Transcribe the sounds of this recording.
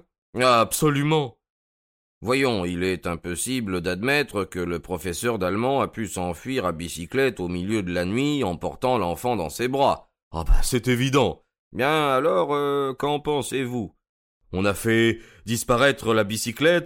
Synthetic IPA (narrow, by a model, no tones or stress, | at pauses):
apsɔlymɑ̃ | vwajɔ̃ilɛt̪ɛ̃pɔsibləd̪ad̪mɛt̪χəkələpχɔfɛsœʁd̪almɑ̃apysɑ̃fɥiʁabisiklɛt̪omiljød̪əlanɥiɑ̃pɔʁt̪ɑ̃lɑ̃fɑ̃d̪ɑ̰̃sebʁa | a̰basɛt̪evid̪ɑ̃ | ebjɛ̃alɔʁøkɑ̃pɑ̃sevu | ɔ̃nafɛ | d̪ispaʁɛt̪χəlabisiklɛt̪